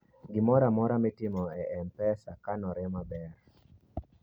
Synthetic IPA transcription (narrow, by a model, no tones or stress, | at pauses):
ɡɪmɔɾamɔɾamɛtɪmɔɛʔɛmpɛsakanɔɾɛmabɛɾ